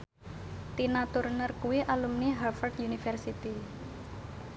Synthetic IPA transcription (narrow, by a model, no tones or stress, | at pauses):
t̪inat̪ʊrnərkuwiʔalumniɦafərd̪junifɛrsit̪i